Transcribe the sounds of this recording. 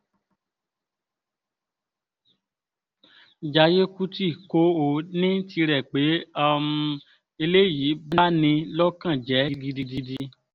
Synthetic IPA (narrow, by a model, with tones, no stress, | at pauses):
d͡ʒa˧je˦ku˦ti˦˨ko˦o˦˨nĩ˦ti˧ɾɛ˨k͡pe˨˦a˦m˧ | e˧le˦˨ji˨˦bna˦nĩ˧lɔ˦kã˦˨d͡ʒɛ˨˦i˦di˧di˧di˧di˧